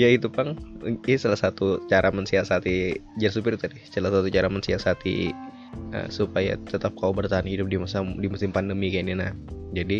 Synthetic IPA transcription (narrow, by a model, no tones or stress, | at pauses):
jait̪upaŋisalahsat̪ut͡ʃaɾamənsiasat̪id͡ʒansupɪrt̪adisalasat̪ut͡ʃaɾamənsiasat̪ḭ | ə̰supaja̰t̪ət̪ap̚kaubərt̪aɦanhidʊp̚dimusadimusɪmpandəmikaninahd͡ʒadi